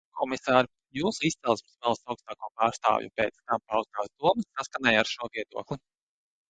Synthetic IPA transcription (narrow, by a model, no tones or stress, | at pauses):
kʰɔmisaːɾ | juːsuist̪sɛlˠsʲmsvɛlˠst̪awkst̪aːkuɔpaːɾst̪a̰ːvjṵpɛːt̪st̪ampawzt̪aːsd̪uɔmɐssaskanɛjaɾʃuɔviɛd̪uɔklˠi